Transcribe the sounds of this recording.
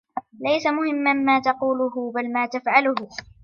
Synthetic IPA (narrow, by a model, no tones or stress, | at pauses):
lajsamʊhɪmːanmaːt̪ɑquːlʊɦʊbalmaːt̪afʕalʊɦʊ